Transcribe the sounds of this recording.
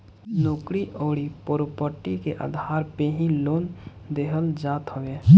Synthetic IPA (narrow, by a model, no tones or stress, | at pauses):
noːkɽiʔoːɽipoːɾopəʈikeʔa̰d̪ʱaːɾpeɦĩloːn | d̪eɦəld͡ʒaːt̪ɦoʋeː